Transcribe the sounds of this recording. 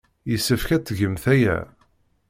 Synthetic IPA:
jəsːəfkæt͡s̪ːʝəmθæjæ̰

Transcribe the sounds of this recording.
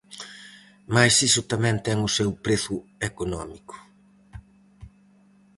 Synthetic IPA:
majsisʊt̪amɛ̃nt̪ɛŋʊsewpɾeθʊekonɔmikʊ̥

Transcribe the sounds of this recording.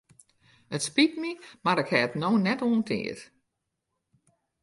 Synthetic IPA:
ətspitmimaɾɪkhɛətnoːnɛtoːntʰɪ̰ːət

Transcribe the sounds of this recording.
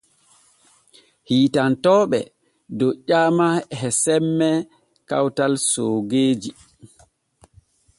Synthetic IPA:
hiːtantɔːɓɛ̰ | dɔt͡ʃaːmahɛsɛmːɛ | ka̰wtalsoːɡeːd͡ʒi

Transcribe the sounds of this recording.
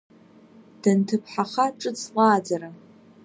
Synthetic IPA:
d̥ɐntʰɨpʰħaχaʈ͡ʂʼɨt͡sʰʼqʷʼɑːd͡zɐɾa

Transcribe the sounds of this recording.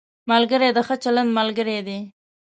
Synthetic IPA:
malɡəɾed̪əxət͡ʃaland̪malɡəɾed̪i

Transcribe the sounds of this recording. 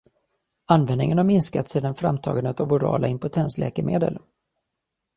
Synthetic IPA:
anvɛnd̪ɪ̰ŋənhaɾmɪnskat̪seːd̪anfɾa̰mt̪ʰɑ̰ːɡand̪ət̪avʊɾɑ̰ːlaɪmpʊt̪ʰɛnslɛ̰ːkəɾmʔeːd̪ə̰l

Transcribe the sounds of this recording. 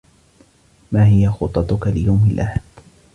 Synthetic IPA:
maːɦɪjaxʊt̪ˤːɑt̪ˤʊkalɪjawmɪlʔahad̪

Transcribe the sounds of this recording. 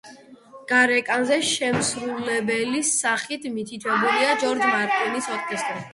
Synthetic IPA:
ɡ̥aɾɛkʼanzɛʃɛmsɾulɛbɛlisaχit̪ʰmit̪ʰit̪ʰwɛbuliad͡ʒɔɾd͡ʒmaɾt̪ʼinisɔɾkʼɛst̪ʼɾi

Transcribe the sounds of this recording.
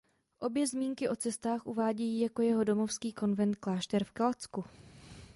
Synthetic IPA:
ʔo̞bjɛzmiːŋkɪʔo̞t͡sɛst̪aːxʔṵvaːɟɛjiːjako̞jɛɦo̞do̞mo̞fskiːko̞nvɛnt̪klaːʃt̪ɛɾfkalt͡sku

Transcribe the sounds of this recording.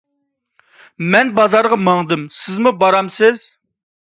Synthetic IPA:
mɛnbɑzɑɾʁɑməŋd̪ɨmsɪzmubɑɾɑmsɪz̥

